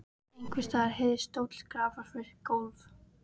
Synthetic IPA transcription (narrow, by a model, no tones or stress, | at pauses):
ejŋkvɪst̪aɾhɛðɪst̪owt̪l̥kɾaːvaɾ̥fɪɾkoːwθ